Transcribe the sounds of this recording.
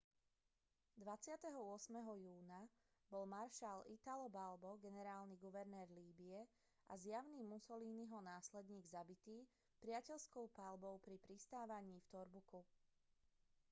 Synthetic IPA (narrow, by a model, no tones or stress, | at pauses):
d̪ʋat͡sɪat̪ɛɦɔʊɔsmɛɦɔjuːna | bɔlmaɾʃalit̪alɔbalbɔɡɛnɛɾaːlniɡuʋɛɾnɛːɾliːbiɛ | ʔa̰zjaʊniːmusɔliːniɦɔnaːslɛd̪ɲiːɡzabit̪iː | pɾɪacɛʎskɔʊpalbɔʊpɾipɾist̪aːʋaɲiːft̪ɔɾbuku